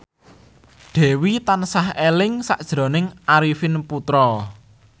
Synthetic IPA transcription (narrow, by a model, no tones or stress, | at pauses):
ɖ̪̥ɛ̤wit̪ansahelɪŋsa̰ʔd̥ʒ̥ɾo̤nɪŋʔaɾifinput̪ɾɔ